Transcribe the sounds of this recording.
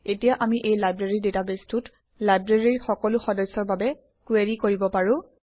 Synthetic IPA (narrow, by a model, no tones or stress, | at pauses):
etijaʔamiʔejlajbɹeɹidetabestut | lajbɹeɹiɹxɔkɔlʊxɔdɔsːɔɹbabɛ | kweɹikoɹibɔpaɹʊ̃